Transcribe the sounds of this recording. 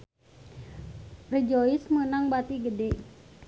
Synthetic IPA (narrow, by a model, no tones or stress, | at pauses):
rəd͡ʒoismənaŋbat̪iɡədɛʔ